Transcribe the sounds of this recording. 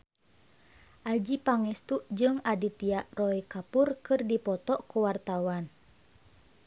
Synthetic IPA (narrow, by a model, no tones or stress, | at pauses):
ʔad͡ʒipaŋɛst̪uʔd͡ʒɨŋadit̪iaʔrɔikapurkɨrdipɔt̪ɔʔkuwart̪awan